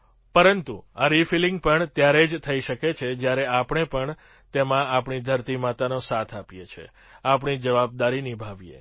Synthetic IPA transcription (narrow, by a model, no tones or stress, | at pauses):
pəɾənt̪uaɾifiliŋɡ̚pəɳt̪jaɾed͡ʒt̪ʰəiʃəket͡ʃʰed͡ʒjaɾeapɳepəɳ | t̪emãapɳid̪ʱəɾt̪imat̪anosat̪ʰapijet͡ʃʰḛ | apɳid͡ʒəʋab̚d̪aɾinibʱaʋijḛ